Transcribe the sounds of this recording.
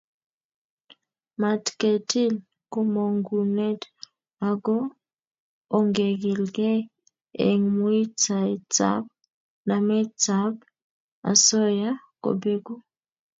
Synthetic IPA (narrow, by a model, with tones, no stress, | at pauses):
ma˨tke˨ti˦l | ko˨mo˨ŋɡu˨nɛ˦t | a˨ɡɔ˦˨ | ŋɡe˨ɡi˨lɡɛ˦ | ḛ˨ŋmu˦i˦t͡sa˨t͡sa̰˦b̚ | na˨mɛ˦t͡sa˨˦b | a̰˨sɔ˦ja˦ko̰˨be˦ɡu˦